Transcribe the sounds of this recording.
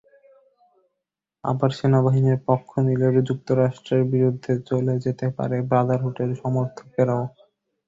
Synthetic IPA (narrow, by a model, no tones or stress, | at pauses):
a̰baɾʃenabaɦiniɾpɔkʰːonileɾd͡ʑuk̚t̪oɾaʃʈɾeɾbiɾud̪ʱːet͡ɕoled͡ʑet̪epa̰ɾebɾad̪aɾɦuʈeɾʃɔmoɾt̪ʰo̥keɾao